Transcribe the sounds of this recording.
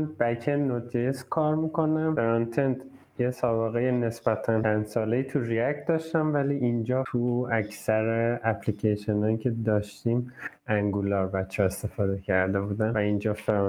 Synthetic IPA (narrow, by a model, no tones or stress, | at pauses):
nbæcʰenot̪ʰeskʰɒːɾmikʰo̞næmfeɾɑnt̪ʰent̪ | jesɒːbeɣejene̞sb̥æt̪ʰænt͡ʃʰænd̪sɒːleiːt̪ʰuɾiækd̪ɒːʃt̪æmvæliːʔind͡ʒɒːt̪ʰuæcsæɾeæpʰlicʰeʃenɒːjicʰe̞d̪ɒːʃt̪iːm | æŋɡulɒːɾbæt̪t͡ʃʰːɒe̞st̪e̞fɒːd̪e̞cʰæɾd̪e̞bud̪ænvæind͡ʒɒːfeɾ